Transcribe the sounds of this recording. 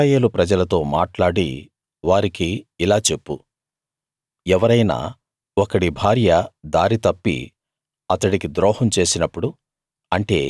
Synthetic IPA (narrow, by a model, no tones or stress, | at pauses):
jeːlupɾɐd͡ʒɐlɐt̪o̞ːmaːʈlaːɽḭ | ʋaːɾikiːlaːt͡ʃe̞pːu | ɛʋɐɾɐjna̰ː | ɔkɐɽibʱaːɾjɐd̪aːɾit̪ɐpːḭ | ɐt̪ɐɽikid̪ɾɔːhɐmt͡ʃe̞ːsinɐpːuɽu | ɐɳʈe̞ː